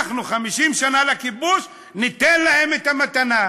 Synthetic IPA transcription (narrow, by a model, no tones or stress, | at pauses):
χnuχamiʃimʃanalekibuʃ | nit̪enlahemet̪amat̪ana